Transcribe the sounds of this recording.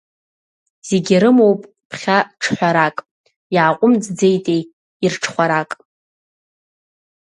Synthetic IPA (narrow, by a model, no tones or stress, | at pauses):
z̥eɡʲiɾɨmowpʼ | pʰχʲaʈ͡ʂʰħʷᶣaɾakʼ | iʕaqʷʼʊmd͡zd͡ze̞jtʼej | irʈ͡ʂʰχʷaɾakʼ